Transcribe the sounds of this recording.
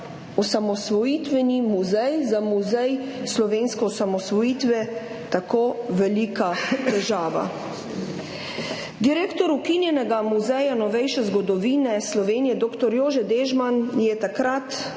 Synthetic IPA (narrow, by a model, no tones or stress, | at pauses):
ɔsamɔsʋɔjiːt̪ʋɛnimuzɛjzamuzɛjslɔʋeːnskɔɔsamɔsʋɔjiːt̪ʋɛ | t̪akoːʋɛlikat̪ɛʒaːʋa̰ | d̪iɾeːkt̪ɔɾukinjɛnɛɡamuzɛjanɔʋɛjʃɛzɡɔd̪ɔʋiːnɛslɔʋeːnijɛd̪oːkt̪ɔɾjoːʒɛd̪eːʒmanjɛt̪akɾat̪